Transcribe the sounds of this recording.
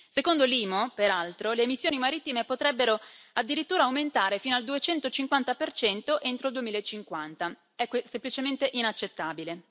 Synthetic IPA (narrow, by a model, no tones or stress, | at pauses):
sekond̪oliːmopeɾalt̪ɾoleːmisːjoːnimaɾit̪ːimepot̪ɾɛbːeɾoad̪ːiɾit̪ːuːɾaːuwment̪aːɾefiːnoald̪uet͡ʃɛnt̪ot͡ʃiŋkwant̪apert͡ʃɛnt̪oʔent̪ɾoild̪uemiːlaet͡ʃːiŋkwant̪a | ɛkːwesemplit͡ʃement̪eʔinat͡ʃːet̪ːaːbile